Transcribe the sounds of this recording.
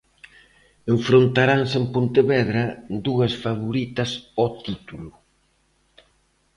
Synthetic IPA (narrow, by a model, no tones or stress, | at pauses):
eɱfɾont̪aɾansempont̪eβɛðɾɐd̪uɐsfaβoɾit̪ɐsɔt̪it̪ulʊ